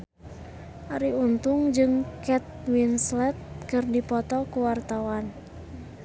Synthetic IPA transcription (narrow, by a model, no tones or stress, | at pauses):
ʔaɾiunt̪uŋd͡ʒɨŋkɛt̪̚winslɛt̪̚kɨrdipɔt̪ɔkuwart̪awan